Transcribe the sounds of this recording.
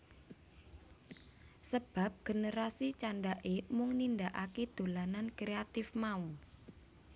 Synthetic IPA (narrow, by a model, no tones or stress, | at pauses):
səb̥a̤p̚ɡ̥ə̤nəɾasit͡ʃaɳɖaʔemʊŋnind̪aʔaked̪̥o̤lanankɾeat̪ɪfmau